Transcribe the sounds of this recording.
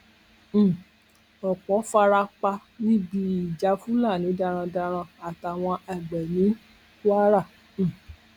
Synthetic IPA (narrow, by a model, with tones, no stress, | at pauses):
ɔ˨k͡pɔ˨˦fa˧ɾa˧k͡pa˧nĩ˦bi˧˦i˨d͡ʒa˨˦fu˦la˦˨nĩ˨˦da˧ɾ̃ã˧da˧ɾ̃ã˧a˨ta˨w̃ɔ̃˧ɛ˨ɡ͡bɛ˨nĩ˨˦ | ku˦a˦ɾã˦˨˦